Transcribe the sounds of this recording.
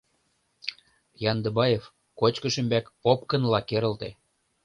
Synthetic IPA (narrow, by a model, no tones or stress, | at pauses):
jɑnd̪ɤ̆bɑjef | kot͡ɕkə̆ʃə̆mbækop̚kə̆nlɑkeɾə̆lt̪e